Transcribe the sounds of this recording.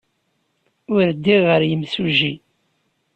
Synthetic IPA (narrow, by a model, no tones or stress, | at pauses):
ʊɾd̪ːiʁəɾjəmsuʒi